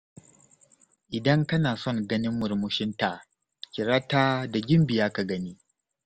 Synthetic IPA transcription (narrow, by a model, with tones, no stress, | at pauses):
ʔɪ˨dɐ˦ŋkɐ˦naː˨sɔ˦˨ŋɡɐ˦nɪ˦mːʊ˨ɾmʊ˦ʃɪ˦nta˨ | kʲɪ˨ɾaː˦taː˦da˨ɡʲɪ˦mbɪ˨jaː˦ka˨ɡɐ˦niː˦